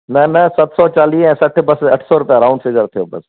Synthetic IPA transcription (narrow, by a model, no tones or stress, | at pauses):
nɐnɐsɐt̪sɔːt͡ɕaːliːɛ̃ːsɐʈʰbɐsɐʈʰsɔɾʊpijaɾãʊ̃ɳɖfɪɡəɾt̪ʰijoːbɐs